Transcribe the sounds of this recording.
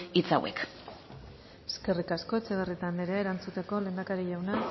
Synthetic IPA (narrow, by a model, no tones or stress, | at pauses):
it͡sa̰wḛk | eske̞rikasko̞et͡seβerit̪and̪eɾeaeɾant͡sut̪e̞ko̞lend̪akaɾiʝawna